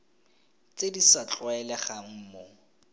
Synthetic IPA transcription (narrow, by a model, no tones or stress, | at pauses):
t͡sʼedisat͡ɬʼʊɛlɛχaŋ̩mo